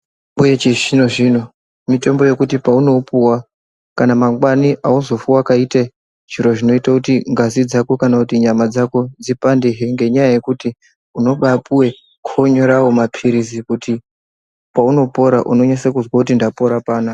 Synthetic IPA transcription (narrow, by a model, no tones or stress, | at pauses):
mujet͡ʃeʐinoʐino | mito̞mbo̞je̞kutipauno̞puwa | kanamaŋɡwaniʔaozo̞fuwakaita | d͡ʒiɾo̞ʐino̞itakutiŋɡazid͡zakokanakutiɲamad͡zako̞d͡zipandeɦeŋɡeɲajaje̞kuti | uno̞ɓapuwe̞ | kʰoɲo̞ɾawomapʰiɾizikuti | pauno̞po̞ɾaʔuno̞ɲasakuzwakutindapo̞ɾapaːna